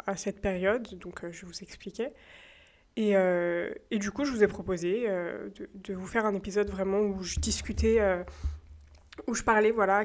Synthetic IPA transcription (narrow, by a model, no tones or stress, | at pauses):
asɛt̪peʁjɔd̪ːɔ̃kʰøʒəvuzɛksplikʲɛ | eøed̪ykuʒəvuzɛpχɔpozeø̰d̪əd̪əvufɛʁɛ̃nepizɔd̪vʁɛmɑ̃uʒəd̪iskʲyt̪ɛø | uʒəpaʁlɛvwala